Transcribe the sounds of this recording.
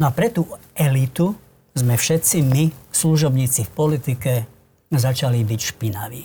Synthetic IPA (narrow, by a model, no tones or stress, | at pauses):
nɔapɾɛt̪uɛlit̪u | zmɛfʃɛt̪t͡simisluʒɔbɲiːt͡sifpɔlit̪ikɛ | zat͡ʃalibicʃpina̰ʋḭː